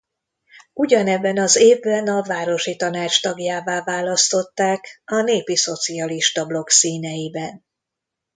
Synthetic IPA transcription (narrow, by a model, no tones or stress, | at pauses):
uɟɒnɛbːɛnɒzeːvːɛnɒvaːɾo̞ʃit̪ɒnaːt͡ʃt̪ɒɡjaːvaːvaːlɒst̪o̞t̪ːaːkɒneːpiso̞t̪siɒliʃt̪ɒblo̞ksiːnɛjibɛn